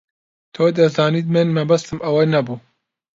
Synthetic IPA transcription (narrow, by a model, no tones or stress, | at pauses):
t̪ʰoːd̪ɐzaːniːt̪mɨnmɐbɐst̪ɨmʔɐwɐnɐbuː